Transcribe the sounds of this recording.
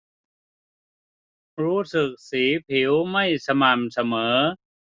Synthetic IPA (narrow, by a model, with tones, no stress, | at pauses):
ɾuː˦˥sɯ˨˩k̚siː˩˦pʰi˩˦wma˥˩jsa˧ma˨˩msa˧mɤː˩˦